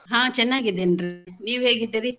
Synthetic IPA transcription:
ɦãːt͡ʃɛnːaːɡid̪enɾiniːʋɦeːɡid̪ːiɾi

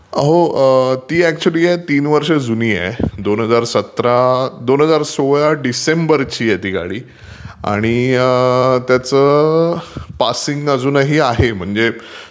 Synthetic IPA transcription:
əɦot̪iːæk̚t͡ɕuəliːjɛt̪iːnʋəɾʂəd͡zuniːjɛ̰d̪onɦəd͡zaɾsət̪ɾad̪onɦəd͡zaɾsoɭjaɖisembəɾt͡ɕiːjɛt̪ika̰ɭiː | a̰ɽ̃iət̪jat͡sə | pasiŋɡəd͡zuːnaɦiːaɦem̤əɳd͡ze

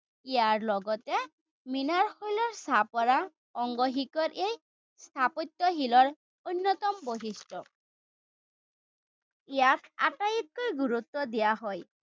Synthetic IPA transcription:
ijaɹlɔɡɔt̪e | minaɾxojlɔɾsapɔɾa | ɔŋɡɔɦikɔɾʔej | st̪ʰapɔt̪ːɔɦilɔɾ | unːɔt̪ɔmboɦisʈɔ | ijaka̰ʈajit̪̚kojɡuɾut̪ːɔd̪ijaɦɔj

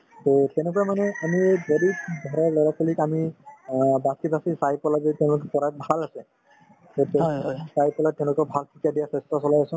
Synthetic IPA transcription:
totɛnɛkɔamanɛamiejzɔdidʱɔɹalɔɹakɔlikami | basibʱasisajpɔlabetɛʊ̃lʊkɛpɔɹabʱalasɛ | totɛsajpɔlatːɛ̃ʊ̃lʊkɔbʱalkʰikiadijasɛstasɔlajasʊ̃

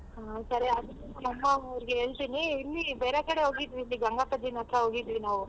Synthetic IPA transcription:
ɦaːsɐɾeɐd̪ɐɐɐmːɐɐʋɾiɡeɦeːɭt̪iniːlːibeːɾekɐɽeɦoːɡid̪ʋilːiɡɐŋɡapɐd͡ʒ̪inɐt̪ʰɾɐɦoːɡid̪ʋinaːʋu

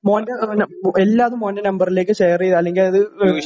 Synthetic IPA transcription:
moːndɐnɐelːaːɐðumːoːndɐnɐmbɐrile̞ːkːɨɕejɐrijðɐlːeŋɡilɐðɨ

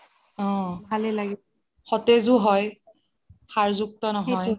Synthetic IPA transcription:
ɔ̃bʱalɛlaɡi | xɔtɛzuɦɔj | xaɹzuk̚tɔnɔɦɔj

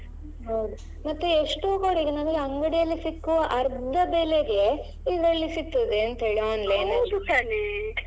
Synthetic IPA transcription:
ɦɐwd̪u | mɐt̪ːueʂʈukoːɽiɡenɐnɡeɐŋɡɐɽijɐlːisikːuʋɐʔɐɾd̪ʱɐbeleɡe̞ | iːɡɐɐɭːisit̪ːud̪eɐnt̪ɦeːɭiaːnlɐjnd̪ukaːli

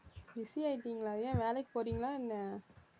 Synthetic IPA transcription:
ʋɪsiɐɪʈːiːŋɡɐɭaːðɯjãːʋeːlɛkːɯ̥poːɾiːŋɡɐɭaːɪnːɐ

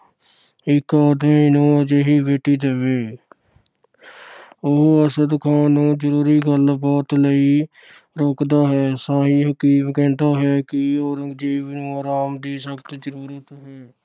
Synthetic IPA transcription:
ɪkaːd̪mẽːɪnõːəd͡ʒeːɦiːʋeːʈiːd̪eʋeː | ʊɦəsəd̪kʰaːnũːd͡ʒəɾuːɾiːɡəlbɔːt̪ləiː | ɾoːkd̪aːɦɛːsaːɦiːɦəkiːmkɛ̃ːnd̪aːɦɛːkɪoːɾəɡd͡ʒiːʋnũːəɾaːmd̪iːsəkt̪d͡ʒəɾuːɾət̪ɦɛː

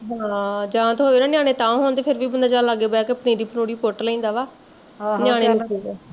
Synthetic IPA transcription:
ɦaãːd͡ʒãːt̪oːʋeːnaːnɪjaːɽ̃ẽːt̪ãːɦoːnt̪eːpʰɪɾʋiːbənd̪aːd͡ʒãːlaɡeːbajaːkeəpnĩːd̪iːpənoːɽiːpoʈləĩːnd̪aːʋaː | njaːɽ̃eː

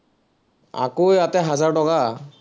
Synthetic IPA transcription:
a̰kojatɛɦazaɹtɔka

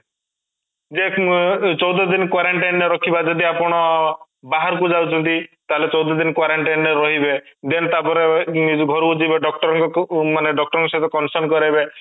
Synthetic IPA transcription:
d͡ʒet͡ʃɔwd̪ɔd̪inɔkwaɾaɳʈajnɔɾɔkʰibad͡ʒɔd̪iapɔɽ̃ɔ | baɦaɾkud͡ʒawt͡ʃʰɔnt̪it̪aɦelet͡ʃɔwd̪ɔd̪inkwaɾaɳʈanɔɾɔɦibed̪enɔt̪apɔɾeɡʱɔɾud͡ʒibeɖɔk̚ʈɔɾɔŋkɔmaneɖɔk̚ʈɔɾɔŋkɔset̪ɔkɔnsɔɾnkɔɾabe

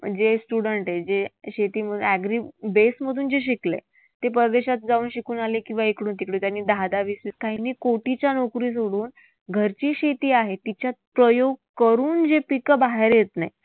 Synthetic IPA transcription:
m̤ənd͡zesʈuɽəɳʈɦed͡zeɕet̪iːm̤əd̪ʱunæɡɾibesməd̪ʱuːnd͡zeɕ̬iklḛ | t̪ep̬əɾd̪eɕat̪̚d͡zauːnɕikuːnalekĩw̃ʋaekɽuːnt̪ikɽũːt̪janːiːd̪ʱad̪aʋisʋiːskaɦiniːkoʈit͡ɕjanokɾiːs̬oɽuːn | ɡʱəɾt͡ɕiːɕet̪iːaɦet̪it͡ɕjat̪̚pɾəjoɡ̚kəɾuːnd͡zepikəbaɦeɾjet̪na̰j

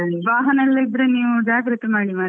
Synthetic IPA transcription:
ʋaːɦɐnɐlːɐid̪ɾeniːʋud͡ʒaːkɐɾit̪ɐmaːɽimaː

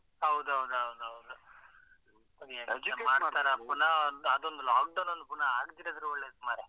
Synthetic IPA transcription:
ɦɐwd̪uɦɐwd̪uɦɐwd̪uɦɐwd̪u | ekɐmaːɖt̪aːɾɐpːunːɐɐd̪ond̪ulaːk̚ɖɐwnond̪upuɳːɐaːɡt̪iɾɐd̪ɐɾuɔɭːeːsumaːɾe

